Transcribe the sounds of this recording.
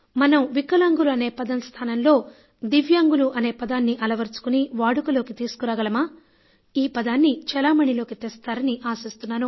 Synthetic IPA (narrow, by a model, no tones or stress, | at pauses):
mɐnɐmʋikɐlaːŋɡuluɐne̞ːpɐd̪ɐmst̪ʰaːnɐmlo̞ː | d̪iʋjaːŋɡuluʔɐne̞ːpɐd̪aːnːiʔɐlɐʋɐɾt͡ʃu̥kuniʋaːɽukulo̞ːkit̪iːsu̥kuɾaːɡɐlɐmaː | iːpɐd̪aːnːit͡ʃɛlaːmɐɳilo̞ːkit̪eːst̪aːɾɐniʔaːsist̪unːaːnu